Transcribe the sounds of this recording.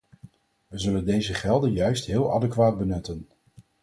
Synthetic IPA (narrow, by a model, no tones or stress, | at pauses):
ʋəzɵləndejzəχɛlˠdənjœɥstɦɪːlˠɑ̰dəkʋaːd̚bənɵtən